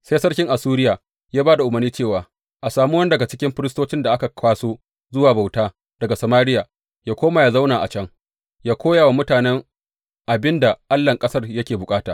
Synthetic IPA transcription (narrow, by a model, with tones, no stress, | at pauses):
seː˦sɐ˦rkʲɪ˦ŋʔa˨suː˦ɾɪ˦jaː˨ | jaː˦baː˦da˨ʔʊ˨mɐ˨rniː˦t͡ʃeː˦˨waː˨ | ʔa˨saː˨mu˦wɐ˦n˦dɐ˨ɡa˨t͡ʃɪ̥˦kʲɪ˦mɸɪ˦ɾstoː˦t͡ʃɪ˦nda˨ʔa˦ka˨kʰʷaː˦soː˦ | zʊ˦waː˨ba˨wtaː˦ | d̥ɐ˨ɡa˨sɐ˨maː˦ɾɪ˦jaː˨ | jaː˦kʷoː˦ma˨ja˦za˦wnaː˨ʔa˨t͡ʃɐ˦ŋ | jaː˦kʷʰoː˦ja˨wa˨mʊ˦taː˨nɛ˦ŋ | ʔa˨bɪ˦nda˨ʔa˦lːɐ˨ŋkʼɐ˦sɐ˦rjɐ˦kʲeː˨bʊ˨kʼaː˦taː˨